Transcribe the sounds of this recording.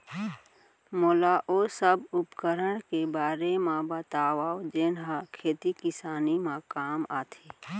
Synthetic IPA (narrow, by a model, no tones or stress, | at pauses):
moːlaʔoːsəbʊpkəɾəɽ̃kebaːɾemãbət̪aːwaːod͡ʒeːnɦakʰeːt̪ikɪsaːnimãkaːmaːt̪ʰeː